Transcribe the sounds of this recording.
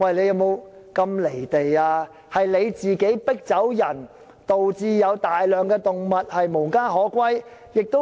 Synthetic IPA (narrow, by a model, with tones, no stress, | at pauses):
wɐ˨jle˨˧jɐ˨˧wmo˨˧wkɐ˧mle˨˩jt̪e˨jaː˧ | hɐ˨jle˨˧jt͡siː˨ke˨˥jpɪ˥k̚t͡sɐ˨˥wjɐ˨˩n | t̪o˨wt͡siː˧jɐ˨˧wt̪aː˨jlœː˨˩ŋkɛː˧t̪ʊ˨ŋmɐ˨t̚hɐ˨jmo˨˩ŋkaː˥ɦɔː˨˥kʷwɐ˥jjɪ˨k̚t̪o˥